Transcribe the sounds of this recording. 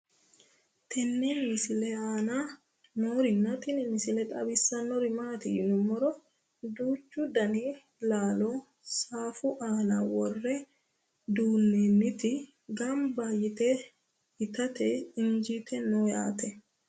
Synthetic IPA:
t̪ɛnːenmɪsɪlɛaːna | noːɾɪnːɐt̪ɪnɪmɪsɪlɛt̪ʼɐ̰bɪsːɐnɔɾɪmaːt̪ɪjɪnʊmːɔɾɔ | d̪uːt͡ʃːʊd̪ɐni | laːloː | saːfʊʔaːnawɔrːɛ | d̪uːnːenːɪt̪ɪ | ɡɐmbaːjɪt̪ɛ | ɪt̪ɐt̪ɛɪɲd͡ʒit̪ɛnoːja̰ːt̪ɛ

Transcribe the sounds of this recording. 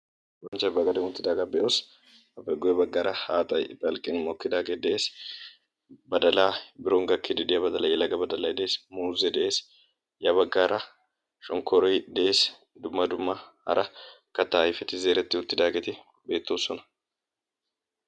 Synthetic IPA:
wɐnt͡ʃːɐjbɐɡɐd̪ɛŋʊt̪ːɪd̪aːɡɐbɛʔos | ɐpːɛɡɔjɛbɐɡːaːɾʔɐhaːt̪ʼɐjb̪ɐlkʼɪnmɔkːɪd̪aːɡed̪ɛʔeːs | bɐd̪ɐlaːbɪɾoŋɡɐkʰːɪd̪ɪd̪ɪjɐbɐd̪ɐlɐjɛlɐɡɐbɐd̪ɐlɐjd̪ɛeːsmuːzɛd̪ɛʔeːs | jɐbɐɡːaːɾʔɐ | ʃɔŋkʰɔɾɔjd̪ɛʔeːs | d̪ʊmːɐd̪ʊmːɐhɐ̰ɾʔɐ | kɐt̪ːaːjɪfɛt̪ɪze̞ːɾɛt̪ːɪʊt̪ːɪd̪aːɡɛt̪ɪ | be̞ːt̪ːoːsːɔnɐ̥

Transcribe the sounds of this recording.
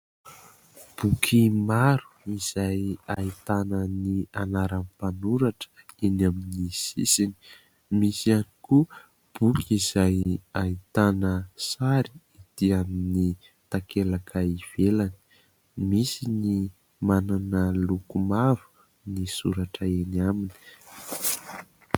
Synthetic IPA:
b̥ukʰimaɾu̥iz̥ajait̪anənianaɾanpanuɾaʈ͡ʂə̥inaminisisini̥ | misianiku | b̥ukʰizajait̪anəsaɾi̥id̪̥iamini | t̪akelakʰaiv̥elani̥ | misini | mananəlukumavu̥ | nisṵɾaʈ͡ʂəenamini̥

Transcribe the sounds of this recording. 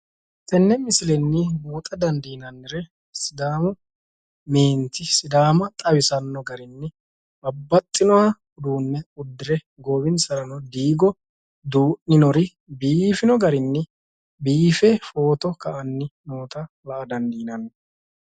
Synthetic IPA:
t̪ɛnːɛmɪsɪlɛnːɪbuːt̪ʼɐd̪ɐnd̪iːnɐnːɪɾɛ | sɪd̪aːmʊ | me̞ːnt̪ɪsɪd̪aːmɐt̪ʼɐwɪsɐnːɔɡɐɾɪnːɪ | bɐbːɐt̪ʼːɪnɔwa | ʊd̪uːnːɛʊd̪ːɪɾɛ | ɡoːbɪnsɐɾɐnɔd̪iːɡɔ | d̪uːʔnɪnɔɾɪ | biːfɪnɔɡɐɾɪnːɪ | biːfɛfoːt̪ɔkɐʔɐnːɪnoːt̪ɐ | lɐʔɐd̪ɐnd̪iːnɐnː

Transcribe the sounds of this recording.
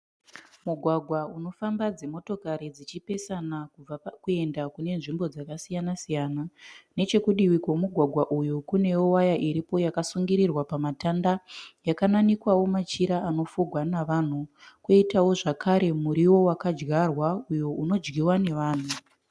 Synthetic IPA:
muɡʱwaɡʱwauno̞fambad͡ze̞mo̞to̞kaɾid͡zit͡ʃipe̞sanakukue̞ndakune̞nʐimbo̞d͡zakasijanasijanane̞t͡ʃe̞kuɗiwikwomuɡʱwaɡʱwaʔujukune̞jowajaʔiɾipo̞jakasuŋɡiɾirwapamatandajakananikwawo̞mat͡ʃiɾaano̞fuɡʱwanaʋan̤ukoitawo̞ʐakʰaɾe̞muɾiwo̞wakad͡ʒɡarwaujo̞uno̞d͡ʒɡiwane̞ʋaːn̤u

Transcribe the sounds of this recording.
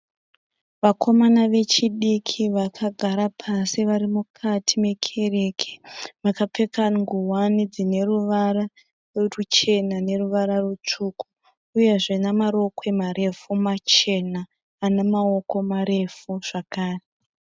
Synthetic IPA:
ʋakʰo̞manaʋe̞t͡ʃiɗikʰiʋakʰaɡʱaɾapʰasiʋaɾimukʰatʰime̞kʰe̞re̞kʰe̥ʋakap͡fe̞kaŋɡuwanid͡zine̞ruʋara | rut͡ʃe̞nane̞ruʋaɾarut͡ʂuːku̥ | uje̞ʐe̞namaɾo̞kwe̞mare̞fumat͡ʃe̞naː | nemao̞ko̞maɾe̞fuʐ̥akaːre

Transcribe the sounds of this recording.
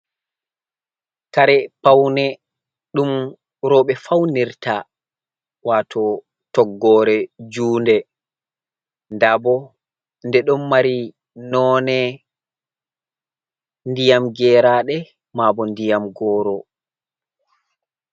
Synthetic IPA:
kaɾɛpawnɛ | ɗum | ɾɔɓɛfawniɾta | waːtʰɔ | tɔɡːɔːɾɛd͡ʒuːndɛ | ndabɔ | ndɛɗɔmːaɾi | nɔːnɛ | ndijamɡɛːɾaɗɛ | mabɔndijamɡɔːɾɔ

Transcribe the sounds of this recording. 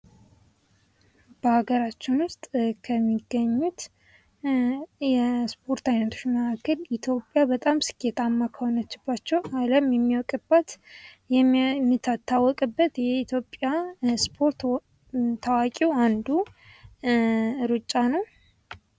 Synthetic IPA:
b̥əhaɡəɾat͡ʃːɪnwʊst̪ʼkʰəmːiɡːəɲːut̪ | jɛspʰo̞ɾt̪ajnət̪ʰo̞t͡ʃməkʰakʰːəlit̪ʰjo̞pʼːjabət̪ʼamsɨ̥kʼet̪ʰamːakʰəho̞nət͡ʃːɪbːat͡ʃːɛwaləmjɛmːiwɔkʼɨbːət̪ | jɛmmːɨt̪ʰːat̪ʰːawːɔkʼɨbːət̪jɛit̪ʰjo̞pʼːjaspʰo̞ɾt̪ | t̪ʰawakʼiwand̪u | ɾɨt͡ʃʼːanəw

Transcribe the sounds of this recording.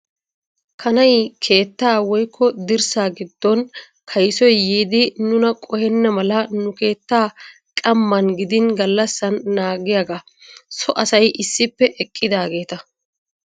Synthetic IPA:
kʰɐnɐjkʰe̞ːt̪ːaːwɔjkʰːɔd̪ɪɾsaːɡɪd̪ːɔn | kʰɐjsɔjːiːd̪ɪnʊnɐkʼɔhɛnːɐmɐlɐnʊke̞ːt̪ːaː | kʼɐmːɐnɡɪd̪ɪnɡɐlːɐsːɐnːaːɡɪjaɡa | sɔʔɐsɐjʔɪsːɪpːɛʔɛkʼːɪd̪aːɡe̞ːt̪ɐ

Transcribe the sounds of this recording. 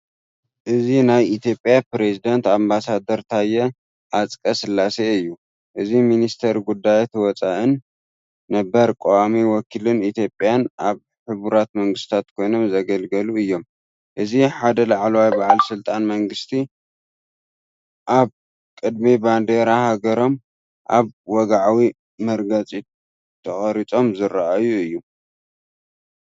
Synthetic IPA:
ʔɨzinajit̪ʰjo̞pʼːjapɾezid̪ɐnt̪ambasad̪ɐɾt̪ʰajɛ | ʔat͡sʼkʼɐsɨlːaseɨjːu | ʔɨziminist̪ʰɐɾɡud̪ːajt̪ʰwɔt͡sʼaʔɨnː | ɐbɐɾkʼowamiwɔkʰilɨnit̪ʰjo̞pʼjanʔaβ | ħɨβuɾat̪mɐŋɡɨst̪ʰat̪kʰo̞jno̞mzɐɡɐlɡɐluɨjːo̞m | ʔɨziħad̪ɐlaʕlɐwajbaʕalsɨlt̪ʼanmɐŋɡɨst̪ʰi | ʔaβ | kʼɨd̪miband̪eɾahaɡɐɾo̞m | ʔa̰βwɔɡaʕawi | mɐɾɡɐt͡sʼi | t̪ʰɐχʼɐɾit͡sʼo̞mzɨɾaʔajuɨjːu

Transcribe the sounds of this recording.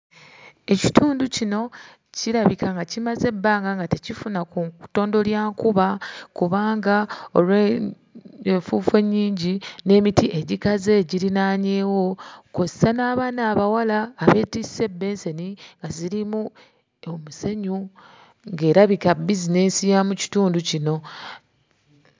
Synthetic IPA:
e̞ci̥tʰuːnducino̞ | ciɾaβikaŋɡacimaze̞bːaːŋɡaŋɡate̞cifunakuŋto̞ːndo̞ljaːŋkuβakuβaːŋɡao̞̰lwe | eɱfuːfe̞ɲːiːɲɟine̞ːmitiʔe̞ɟikazeːɟiɾinaːɲe̞ːwo̞kozsanaːβaːnaːβawalaːβe̞ːtise̞bːe̞ːnseniŋɡaziɾimu | omuse̞ɲu | ŋɡe̞ːɾaβikabizine̞sijamuci̥tuːnducino̞

